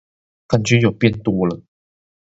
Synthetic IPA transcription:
kʰə˨˩nt͡ɕy˧˥jo˨˩ʊpjɛ˥˧nt̪wɔ˥lə˨

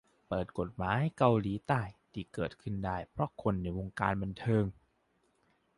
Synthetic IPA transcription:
pɤː˨˩t̪̚ko˨˩t̪̚maː˨˦˥jka˧wliː˩˦t̪aː˧˩jt̪ʰiː˧˩kɤː˨˩t̪̚kʰɯ˧˩ndaː˥˩jpʰɾɔ˦˥kʰo˧nːa˧˥˩jwo˧ŋka̰ː˧nba˧nt̪ʰɤː˧ŋ

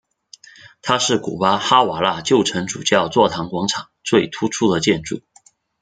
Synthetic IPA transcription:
t̪ʰa˥ʂɻ̩˥˩kṵ˨˩pa˥xa˥wa˨˩la˥˧t͡ɕjo˥˩ʊʈ͡ʂʰɤ˧˥ŋʈ͡ʂṵ˨˩t͡ɕjɑ˥˧ʊt͡swɔ˥˩t̪ʰɑ˧˥ŋkwɑ˧˥ŋʈ͡ʂʰɑ˨˩˦ŋt͡swe˥˩ɪt̪ʰu˥ʈ͡ʂʰu˥d̪ə˨t͡ɕjɛ˥˧nʈ͡ʂu˥˩

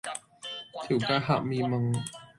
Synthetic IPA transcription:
t̪ʰi˨˩˦kaː˧˥ɦa̰˧˩ʔ̚miː˧mə˧ŋ

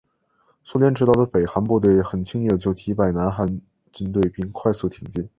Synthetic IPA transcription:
su˥ljɛ˧˥nʈ͡ʂɻ̩˧˥ɑ˥˩ʊd̪ə˧pe˨˩ɪxa˧˥npu˥˧t̪̬we˥˩ɪxə˨˩nt͡ɕʰi˥ŋni˥˩d̪ə˧t͡ɕjo˥˩ʊt̪ʰi˧˥pa˨˩ɪna˧˥nxa˧˥n | t͡ɕi˥nt̪̬we˥˧ɪpi˥˧nkʰwa˥˧ɪsu˥˩t̪ʰi˧˨˩ŋt͡ɕi˥˩n

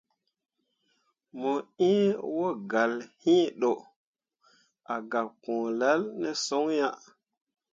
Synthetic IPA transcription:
mo˨ĩ˦wo˦ɡa˨lhĩ˦ɗo˨ | a˨ɡa˨kõ˨la˦lnɛ˦so˦ŋja˦

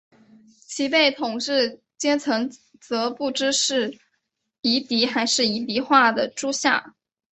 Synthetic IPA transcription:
t͡ɕʰi˧˥pe˥˩ɪt̪ʰʊ˨˩ŋʂɻ̩˥˩ | t͡ɕjɛ˥nt͡sʰɤ˧˥ŋ | t͡sɤ˧˥pu˥˩ʈ͡ʂɻ̩˥ʂɻ̩˥˩ | i˧˥t̪i˧˥xa˧˥ɪʂɻ̩˥˩i˧˥t̪i˧˥xwa˥˩d̪ə˩ʈ͡ʂu˥ɕja̰˥˩

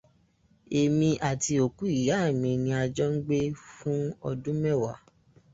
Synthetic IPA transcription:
e˨mĩ˧ʔa˨ti˧o˨ku˦i˦˨ja˨˦˨mĩ˧˨nĩ˧a˧d͡ʒɔ˦ŋ̩˦ɡ͡be˦fũ˦ɔ˧dũ˦mɛ˦˨wa̰˨˦

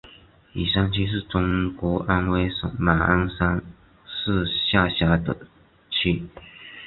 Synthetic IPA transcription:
i˨˩ʂa˥nt͡ɕʰi˥ʂ̬ɻ̩˥˩ʈ͡ʂʊ˥ŋkwɔ˧˥ʔa˥nwe˥˩ɪʂə̰˨˩ŋma˨˩a˥nsa˥ŋ | ʂɹ̩˥˧ɕja˥˩ɕja˧˥d̪ə˧˩ | t͡ɕʰi˥˩

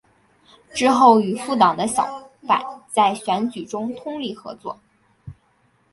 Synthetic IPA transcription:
ʈ͡ʂɻ̩˥xo˥˩ʊy˨˩fu˥˩t̪̬ɑ˨˩ŋd̪ə˦ɕjɑ˨˩˦ʊpa̰˨˩˦nt͡sa˥˩ɪɕɥɛ˧˥nt͡ɕy˨˩ʈ͡ʂʊ˥ŋt̪ʰʊ˥ŋli˥˩xɤ̰˧˥t͡swɔ˥˩

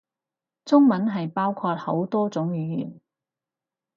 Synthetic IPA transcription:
t͡sʊ˥ŋmɐ˨˥nɦɐ˨jpaː˥wkʰɔː˧t̚ho˨˥wt̪ɔː˥t͡sʊ˨˥ŋjyː˨˥jy̰ː˨˩n

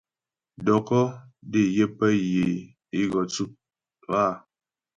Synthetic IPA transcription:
dɔ˨kɔ˦de˦˨je˦pə˦je˨ | i˦ɣɔ˨t͡su˦p̚ | a˦˨

